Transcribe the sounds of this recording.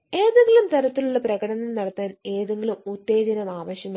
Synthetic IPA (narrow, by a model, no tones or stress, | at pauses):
e̞ːðeŋɡilumt̪ɐɾɐt̪ːiluɭːɐprɐɣɐɽɐnɐlnɐɽɐt̪ːaːne̞ːðeŋɡilumut̪ːeːd͡ʑɐnɐmaːʋɐɕjɐm